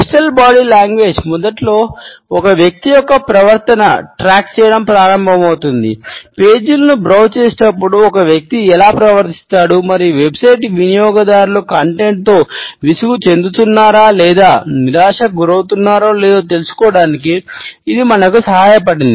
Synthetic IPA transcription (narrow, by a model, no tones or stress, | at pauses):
pʈɐlbaːɽiːlaːŋɡʋe̞ːd͡ʒmɔd̪ɐʈlo̞ːɔkɐʋjɐk̚t̪ijɔkːɐpɾɐʋɐɾt̪ɐnɐ̰ʈɾaːkt͡ʃɛːjɐɽɐmpɾaːɾɐmbʱɐmɐwt̪und̪ḭpe̞ːd͡ʒulɐnubɾɐwt͡ʃeːsinɐpːuɽuɔkɐʋjɐk̚t̪iɛlaːpɾɐʋɐɾt̪i̥st̪aːɽumɐɾiʋe̞bsɐjʈʋinijɔːɡɐd̪aːɾulukɐɳʈe̞ɳʈ̚t̪o̞ːʋisuɡut͡ʃe̞nd̪ut̪unːaːɾaːlɛːd̪aːniɾaːʂɐɡuɾɐwt̪unːaːɾoːlɛːd̪aːt̪̬e̞lusu̥kɔːɽaːnik̬iːd̪imɐnɐkusɐɦaːjɐp̬ɐɽind̪i